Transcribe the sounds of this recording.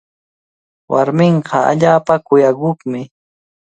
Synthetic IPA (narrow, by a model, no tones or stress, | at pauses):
wʔa̰ɾmɪɴqʰɑa̰ʎaːpakʊjakʊχmɪ